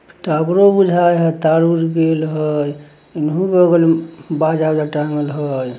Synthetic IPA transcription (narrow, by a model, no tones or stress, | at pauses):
ʈabɾobud͡ʒʱajɦət̪aɾuɾɡelɦəj | inɦũbəɡəlbad͡ʒabd͡ʒaʈaməlɦəj